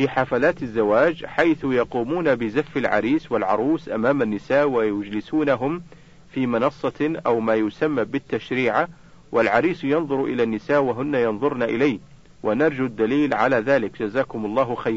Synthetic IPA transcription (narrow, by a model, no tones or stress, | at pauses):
fiħafalaːt̪azːawaːd͡ʒħajθʊjɑquːmuːnabɪzafːɪlʕɑ̰ɾiːswalʕɑ̰ɾˤuːsʔa̰maːmanːɪsaːʔwajʊd͡ʒlɪsuːnaɦʊm | fiːmɪnɑsˤːɑʔawmaːjʊsamːabɪt̪ːaʃɾiːʕa | wʔalʕɑɾiːsjɑnðˤʊɾʔɪ̰laːnːɪsaːʔwaɦʊnːajɑnðˤʊɾnaʔɪlaj | wanɑɾˤd͡ʒud̪ːaliːlʕa̰laːðaːlɪkd͡ʒazaːkʊmɑlˤːɑːɦxajɾ